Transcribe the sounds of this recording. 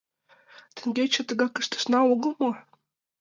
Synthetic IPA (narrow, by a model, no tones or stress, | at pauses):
t̪ə̆ŋɡʲet͡ɕə̆t̪ə̆ɣɑkə̆ʃt̪ə̥̆ʃnɑoɣə̆lˠmɤ